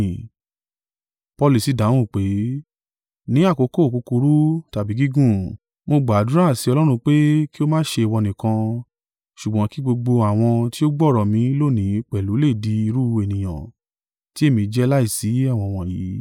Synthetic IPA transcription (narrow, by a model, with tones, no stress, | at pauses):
pɔ˧li˨si˨˦˨da˨˦w̃ũ˦˨k͡pe˨˦ | nĩ˨˦a˦˨ko˧˦ko˦˨ko˨˧ku˧ɾu˦ta˨bi˨˦ɡi˦ɡũ˦˨ | mo˧ɡ͡ba˨du˦ɾa˦˨si˧˦ɔ˧lɔ˦ɾ̃ũ˧k͡pe˦ki˦o˦mãː˦ʃe˧i˨wɔ˧nĩ˨kã˧ | ʃu˨ɡ͡bɔ̃˨˦ki˦ɡ͡bo˧ɡ͡bo˧a˨w̃ɔ̃˧ti˦o˦ɡ͡bɔ˦˨ɾɔ˨mĩ˨˧˦lo˦˨nĩ˨˦k͡pɛ˨lu˨˦le˦˨di˧i˧ɾu˦˧e˨nĩ˨j̃ã̰˨ | ti˦e˦˨mĩ˧˦d͡ʒɛ˦la˦i˦˨si˨˦a˦˨w̃ɔ̃˧w̃ɔ̃˧˨jiː˨˦